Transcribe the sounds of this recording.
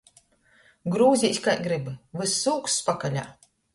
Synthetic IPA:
ɡɾuːzʲisʲkajɡɾɨbɨvɨsːuːkspakalʲa̰ː

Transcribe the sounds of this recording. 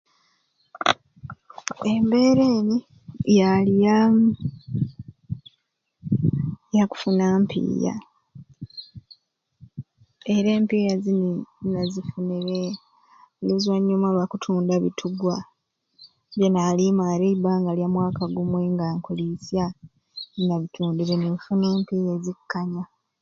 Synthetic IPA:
embe̞ːɾe̞ːni | jalija | jaku̥funampʰḭːja̰ | eɾe̞ːmpiːjazininazifuniɾe | lizwaɲːumalwakutʰuːndaβḭtʰuɡwa | βjenaːlimaɾeibaːŋɡalijamwaːkaɡumwe̞ŋɡaːŋkulisja | inaβitʰuːndiɾenifuneːmpiːjezikːaɲa

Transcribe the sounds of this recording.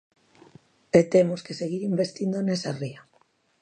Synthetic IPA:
et̪emoskeseɣiɾimbest̪ind̪onesaria

